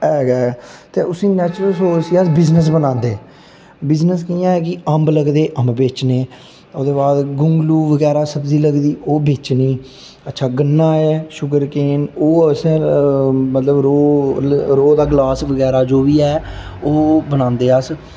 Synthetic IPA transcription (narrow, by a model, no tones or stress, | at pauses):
ɛːɡɛːt̪eːʊsĩːnɛːt͡ʃɾəlsoːsiːəsbɪznəs̬bənãːnd̪eː | bɪznəskiːãːɛːkɪəmbləɡd̪eːʔəmbbeːt͡ʃneː | oːd̪eːbaːd̪ɡʊŋɡluːʋəɡɛːɾaːsəbziːləɡd̪iːoːbeːt͡ʃniː | ətːʃʰaːɡənːaːɛːʃʊɡəɾkeːnoːsɛ̃ː | mət̪ləbɾoː | ɾoːd̪aːɡlaːsʋəɡɛːɾaːd͡ʒoːʋiːɛːoːbənãːnd̪eːəs